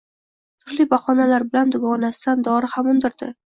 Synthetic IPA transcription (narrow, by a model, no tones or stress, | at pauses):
t̪ʰʊɾlibaχɒnalaɾbɪland̪ʊɡɒnasɪd̪and̪ɒɾɪhamʊnd̪ɪɾd̪ɪ